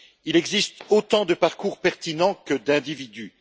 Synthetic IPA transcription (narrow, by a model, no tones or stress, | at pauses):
ilɛɡzist̪ot̪ɑ̃d̪əpaʁkuʁpɛʁt̪inɑ̃kəd̪ɛ̃d̪ivid̪y